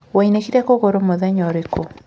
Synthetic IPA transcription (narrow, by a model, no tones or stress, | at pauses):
wɔinekiɾakoɣoɾomoðɛɲɔɾekʰo